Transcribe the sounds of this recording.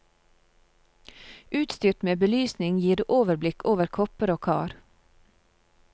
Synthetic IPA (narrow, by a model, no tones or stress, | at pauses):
ʉːt̪st̪yːʈmeːbəlyːsnɪŋjiːɾːʔoːʋəɾblɪkʰoːʋəɾkʰɔpəɾoːkʰɑ̰ːɾ